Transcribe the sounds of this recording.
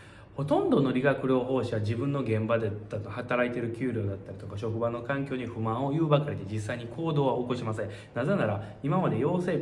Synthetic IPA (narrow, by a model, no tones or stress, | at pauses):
ho̞t̪õ̞nd̪o̞no̞ɾʲiɡakɯ̟ɾʲo̞ːɦo̞ːɕiβad͡ʑibɯ̟̃nːo̞ɡẽ̞mbad̪ed̪̥at̪ohat̪aɾait̪e̞ɾɯ̟kʲɨːɾʲjo̞ːd̪at̪ːaɾʲi̥t̪o̞kaɕo̞kɯ̟bano̞kãŋkʲo̞ːɲ̟iɸɯ̟mãɰ̃o̞jɯːbakaɾʲid̪e̞d͡ʑisːaiɲ̟ikʰo̞ːd̪o̞ːβaokoɕimasẽ̞ | naze̞naɾa | imamad̪e̞jo̞ːse̞ː